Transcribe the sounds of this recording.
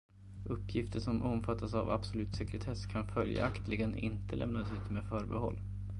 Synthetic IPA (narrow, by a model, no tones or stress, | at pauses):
ʔɵpːjɪft̪əʂɔmʔɔmfat̪ːasavab̥sɔlʉ̟ːt̪sɛkɾɛt̪ʰɛskʰanfœlja̰ʔakt̪lɪɡənɪ̰nt̪əlɛ̰mnasʉ̟ːt̪me̥ːfœːɾbɛhɔ̰lː